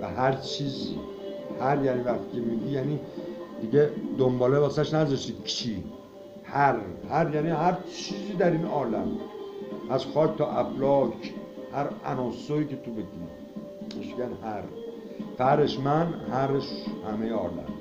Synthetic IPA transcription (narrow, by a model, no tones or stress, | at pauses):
væhæɾt͡ʃʰiːzḭ | hæɾjænivæxt̪ʰi̥ːcʰemiːɟijænid̪iɟed̪ombɒːlebæsæʃnæzɒʃt̪iːd̪̥kʰi | hæɾhæɾjæːniɦæɾt͡ʃʰiːziːd̪æɾinɒːlæ̰m | ʔæzxɒːcʰt̪ʰɒːʔæblɒːcʰhæɾæ̰nɒːsoiːcʰet̪ʰobeɟi | eʃɟænhæɾ | fæɾeʃmænhæɾeʃhæmejeɒ̰ːlæ̰m